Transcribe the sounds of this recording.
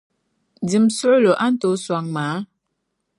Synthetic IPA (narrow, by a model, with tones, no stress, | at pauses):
di˨msə˦lo˨ʔa˦n̩˦to˨˦swa˨ŋmaː˨˦